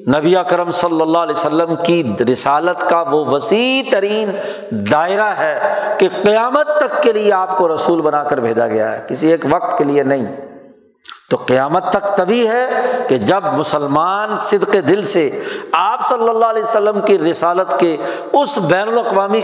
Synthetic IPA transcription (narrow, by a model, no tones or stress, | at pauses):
nɐbiakəɾəmsɐlːəlːalɛːsəlːəmkiɾɪsaːlət̪kaʋoʋɐsit̪ɐɾiːn | d̪aːɪɾaɦɛkeqɪjaːmət̪ːɐkːelieaːp̚koɾɐsuːlbɐnaːkəɾbʱeːd͡ʒaɡɐ̰ja̰ɦɛ̰kɪsieːkʋɐq̚t̪kelienɐɦḭ̃ː | t̪oqɪjaːmət̪ːɐkt̪ɐbʱiɦɛked͡ʒɐb̚mʊsəlmaːnsɪd̪qed̪ɪlseaːpsɐlːəlːaːlɛːsəlːəmkiɾɪsaːlət̪ke | ʊsbɛːnʊlɐqʋaːmi